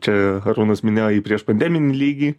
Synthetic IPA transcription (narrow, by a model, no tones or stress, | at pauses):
t͡ʃʲɛɾuːnɐsmʲɪnʲeːjoiːpʲɾʲiɛʃpɐnʲd̪ʲæːmʲɪnʲiːlʲiːɡʲiː